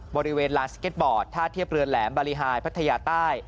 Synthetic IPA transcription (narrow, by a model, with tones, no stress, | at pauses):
bɔː˧ɾi˦˥weː˧nlaː˧nskeː˦˥t̪̚bɔː˨˩t̪ʰːaː˥˩t̪ʰːi˥˩əp̚ɾɯ˧ənlɛː˩˦mba˧ɾi˦˧˥ɦaː˧jpʰa˦˥t̪ʰːa˧jaː˧t̪aː˥˩j